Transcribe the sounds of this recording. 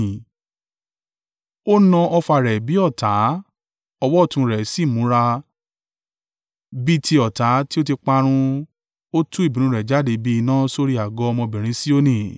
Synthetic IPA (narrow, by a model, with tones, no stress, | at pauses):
o˦nã˧ʔɔ˧fa˧˨ɾɛ˨bi˨˦ɔ˦˨ta˨˦ | ɔ˧wɔ˦˨tũ˧ɾɛ˨si˦˨mũ˨˦ɾa˧ | bi˦tʰi˧˦ɔ˨ta˨˦ti˦o˦ti˧k͡pa˧ɾ̃ũ˧ | o˦tũ˦i˦˨bĩ˨ñũ˨˦ɾɛ˨d͡ʒa˦de˨˧˦bi˦i˧nãː˦so˧ɾi˦a˨ɡɔ˨˦˧mɔ̃˧bĩ˨ɾ̃ĩ˨˦si˦o˦nĩ˦˨